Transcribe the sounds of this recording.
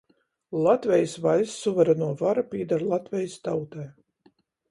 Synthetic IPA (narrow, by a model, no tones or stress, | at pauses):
lˠat̪vʲɛjsvalʲsːuvɛɾɛnuɔvaɾapʲiɛd̪aɾlˠat̪vʲɛjst̪awt̪ɛj